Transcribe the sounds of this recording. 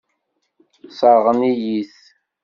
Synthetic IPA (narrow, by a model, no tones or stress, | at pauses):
sˤɑɾʁənijiθ